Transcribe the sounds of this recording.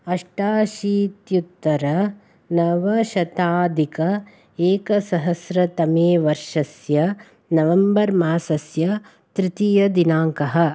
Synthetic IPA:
ɐʂʈaːʃiːt̪jut̪ːɐɾɐ | nɐʋɐʃɐt̪aːd̪ʱikɐ | eːkɐsɐɦɐsɾɐt̪ɐmeːʋɐɾʂɐsjɐ | nɐʋɐmbɐɾmaːsɐsjɐ | t̪ɾit̪ijɐd̪inaːŋkɐɦɐ̆

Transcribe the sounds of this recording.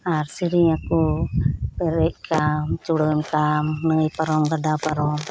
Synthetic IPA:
aɾsiɾiŋaku | pɛɾɛc̚kʰamt͡ʃuɽɔmkamnəjpaɾɔmɡaɖapaɾɔm

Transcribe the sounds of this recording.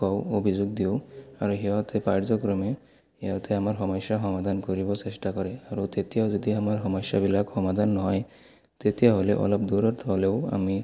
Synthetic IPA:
kɔwobʱizoɡ̚d̪ioaɾuɦiɔt̪ʰɛpaɾd͡ʒɔkɾɔme | ejat̪ɛamaɹɦɔmɔsaɦɔmad̪ʱankɔɾibɔsesʈakɔɾɛaɾut̪et̪ijaʊzɔd̪iamaɹɦɔmɔsjabilakhɔmad̪ʱanːɔɦɔj | t̪et̪ijaɦoleʔɔ̰lɔpd̪uɾɔɾt̪ʰɔleʊa̰mi

